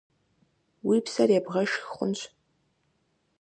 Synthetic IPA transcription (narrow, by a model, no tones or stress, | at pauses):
wipʰsarjabʁɐʃxχʷʊ̰nt͡ʃʷʰ